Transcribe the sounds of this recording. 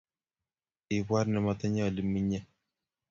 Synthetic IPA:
ɪ˨bwa˦ɾnɛ˨mɔ˦t̪ɔ˦ɲɔ˦˨li˨mi˦ɲɛ˦

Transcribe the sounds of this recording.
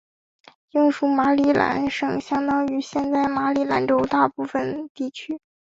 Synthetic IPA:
i˥˧ŋʂu˧˥˩ma˧˥li˥˩lʔa̰˧˥nʂɤ˨˩ŋɕjɑ˥ŋt̪ɑ˥ŋy˧˥ɕjɛ˥˧nt͡sa˥˩ɪma˧˥li˧˩la̰˧˥nʈ͡ʂo˥ʊt̪a˥˧pu˥˩fə˨˩nt̪i˥˩t͡ɕʰy˥

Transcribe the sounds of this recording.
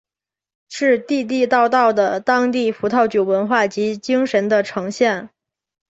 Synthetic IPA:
ʂɻ̩˥˧t̪i˥˧t̪̬i˥˧t̪ɑ˥˧ʊt̪ɑ˥˩ʊd̪ə˩t̪ɑ˥ŋt̪i˥˩fu˧˥t̪ʰɑ˥˩ʊt͡ɕjo˨˩ʊwə˧˥nxwa˥˩t͡ɕi˧˥t͡ɕi˥ŋʂə˧˥nd̪ə˧ʈ͡ʂʰɤ˧˥ŋɕjɛ˥˩n

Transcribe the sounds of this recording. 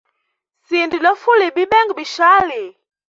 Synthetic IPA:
si˨ndi˨lɔ˦fu˦li˨bi˦ɓɛ˦ŋɡbi˨ʃaː˦li˨

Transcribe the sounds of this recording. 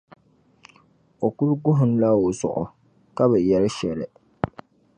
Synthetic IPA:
o˨ku˦ɾɡʊ˦ɦʊ˨˦n˦la˦o˨sʊ̰˨ʔʊ̰˨ | ka˦bɨ˨jɛ˨lɪ˦ʃɛ˨lɪ˨

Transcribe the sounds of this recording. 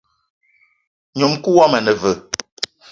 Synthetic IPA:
ɲo˨mku˦wa˦mə˨nə˨və˨

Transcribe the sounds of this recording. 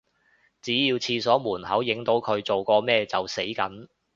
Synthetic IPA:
t͡siː˨˥jiː˧wt͡sʰiː˧sɔː˨˥muː˨˩nhɐ˨˥wjɪ˨˥ŋt̪o˨˥wkʰɵ˨˧ɥt͡so˨wkɔː˧mɛː˥˧t͡sɐ˨wse˨˥jkɐ̰˨˥n

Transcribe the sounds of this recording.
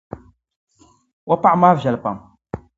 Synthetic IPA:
wa˦pa˦ʕmaː˦vʒa˨lpa̰˨m

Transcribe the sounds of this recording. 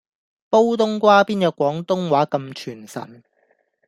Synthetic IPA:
po˥wt̪ʊ˥ŋkʷaː˥piː˥njɐ˨˧w̚kʷɔː˨˥ŋt̪ʊ˥ŋwaː˨˥kɐ˧mt͡ʃʰyː˨˩nsɐ̰˨˩n

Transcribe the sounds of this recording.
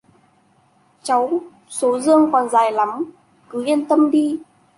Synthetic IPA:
t͡ɕa˨˦w | so˨˦zɨ˧əŋkɔ˨˩nzaː˨˩jla˨˦m | kɨ˨˦ʔi˧ənt̪ə˧mɗi˧

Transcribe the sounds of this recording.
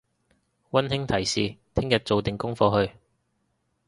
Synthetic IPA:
wɐ˥nhɪ˥ŋt̪ʰɐ˨˩jsiː˨˩t̪ʰɪ˥ŋjɐ˨t̚t͡so˨wt̪ɪ˨ŋkʊ˥ŋfɔː˧ɦɵ˧ɥ

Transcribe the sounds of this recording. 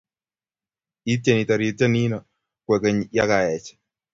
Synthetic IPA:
i˦te˨ni˨ta˨ɾi˨ta˦ni˦na˨ | kwɛ˨kɛ˨ɲja˦ka˨ɛ˨t͡ʃɛ̥˨

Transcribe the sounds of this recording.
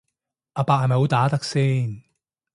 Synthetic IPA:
ʔaː˧paː˧k̚ha˨jmɐ˨˩jɦo˨˧wt̪aː˨˥t̪ɐ˥k̚siː˥˩n

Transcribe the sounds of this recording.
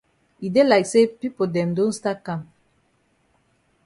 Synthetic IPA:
i˨de˦laɪksepi˦po˨dɛ̃˨mdõ˦nsta˦kã˨m

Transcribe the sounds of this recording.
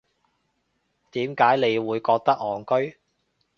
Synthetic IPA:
t̪iː˨˥mkaː˨˥jne˨˧jwuː˨˧jkɔː˧k̚t̪ɐ˥k̚ɔː˨˩ŋkɵ˥ɥ

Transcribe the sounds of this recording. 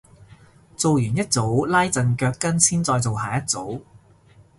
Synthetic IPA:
t͡so˨wjyː˨˩njɐ˥t̚t͡so˨˥wlaː˥jt͡sɐ˨nkœː˧kkːɐ˥nsiː˥nt͡sɔː˧jt͡so˨wɦaː˨jɐ˥t̚t͡so˨˥w

